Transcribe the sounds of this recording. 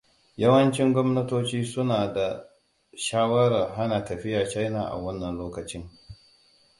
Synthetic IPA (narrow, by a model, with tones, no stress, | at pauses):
jɐ˦wɐ˦nt͡ʃɪ˦ŋɡʷɔ˦mnɐ˦toː˦t͡ʃiː˦sʊ˦naː˨da˨ | ʃaː˦wɐ˦ɾa˨rɦa˦naː˨tɐ˨ɸɪ˦jaː˨t͡ʃa˦jnaː˨ʔa̰˨wɐ˦nːɐ˨nloː˦kɐ˨t͡ʃɪ˦ŋ